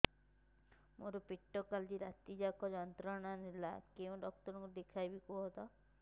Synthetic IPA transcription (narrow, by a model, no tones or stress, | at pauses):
moɾupiʈːɔkald͡ʒiɾat̪id͡ʒakɔd͡ʒɔnt̪ɾɔɽ̃anilakeũɖɔk̚tɔɾɔŋkuɾd̪ekʰajbikuɦɔt̪ɔ